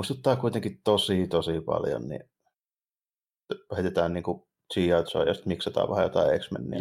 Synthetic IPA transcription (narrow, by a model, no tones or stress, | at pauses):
muist̪ut̪ːɑːkuit̪eŋkitt̪osit̪osipɑ̰ljo̰nnḭ | het̪et̪æːnniːŋku | t͡ʃiːɑt̪so̰ːjost̪miksɑt̪ɑ̰ːʋʋæhæjo̰t̪ɑiḛksmḛnːḭː